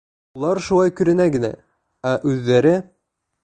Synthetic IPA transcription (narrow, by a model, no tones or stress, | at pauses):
ulˠɑɾʃulˠɑjkɵ̆ɾɘ̆næɡɘ̆næ̰ | æʔʉðːæɾɘ